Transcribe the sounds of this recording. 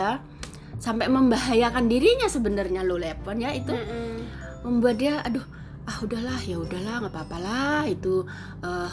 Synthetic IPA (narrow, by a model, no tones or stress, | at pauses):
a | sampaməmbaɦajakandiɾiɲasəbənərɲalolepɔnjait̪u | məmbuat̪̚diaʔadoh | ahudahlahjaudahlahŋapaːpalahit̪u | əː